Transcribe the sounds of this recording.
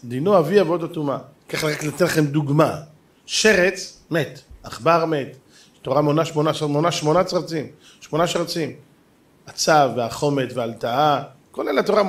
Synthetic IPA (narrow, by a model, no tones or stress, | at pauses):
d̪inoaviavod̪at̪uma | kaχleʁakleat̪etlaχemd̪uɡma | ʃe̞ʁet͡smet̪aχbaʁme̞t̪ | tːoʁamonaʃmo̞naʃmonaʃmo̞nat͡saʁt͡sim | ʃmonaʃaʁat͡sim | at͡savːeaχo̞metvealt̪aa | kolelat̪oʁa